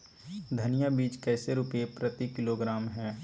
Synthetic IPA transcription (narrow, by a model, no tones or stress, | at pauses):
d̪ʱənɪjabiːt͡ʃkɛːseɾupepɾət̪ikɪloɡɾaːmɦɛ̃ː